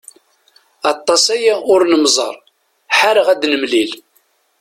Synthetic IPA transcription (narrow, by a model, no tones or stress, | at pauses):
ɑt̪ˤːɑsæjæʔʊɾnəmzˤə̰ɾˤ | ħaɾəʁæd̪nəmlil